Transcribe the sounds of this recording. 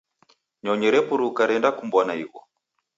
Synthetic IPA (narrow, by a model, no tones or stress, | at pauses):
ɲɔɲɛɾɛpuɾukaɾɛndakumbɔnaiɣɔ